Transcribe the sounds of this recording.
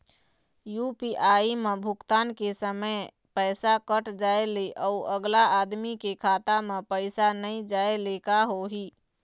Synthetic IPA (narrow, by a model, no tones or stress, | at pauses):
jupiʔaimebʱʊkt̪ankesəmə | pəsakəʈd͡ʒaeleʔəuəɡlaad̪mikekʰat̪amepəɪsanəid͡ʒaelekaɦoɦi